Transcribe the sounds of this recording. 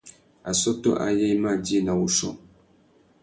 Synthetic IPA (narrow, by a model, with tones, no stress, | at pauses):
a˨sɔ˦tɔ̰˦ʔa̰˨je˦ma˦˨di˦na˨wu˨ʃɔ̰˦˨ŋ